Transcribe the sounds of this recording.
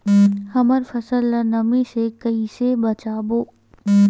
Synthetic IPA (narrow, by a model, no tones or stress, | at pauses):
hɐməɾfɐsəlːənɐmẽsekɐisebɐt͡ʃaːboː